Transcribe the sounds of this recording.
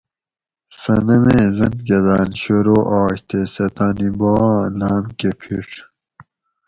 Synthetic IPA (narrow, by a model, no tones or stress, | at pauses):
sɐnɐmeːzɐnɡɐd̪aːnɕoɾoːʔaːɕt̪esɐt̪aːnibõlaːmkepʰiʈ͡ʂ